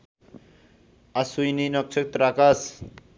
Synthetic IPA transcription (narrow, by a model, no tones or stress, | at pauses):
asujninʌk̚t͡ʃʰʌk̚t̪ɾakas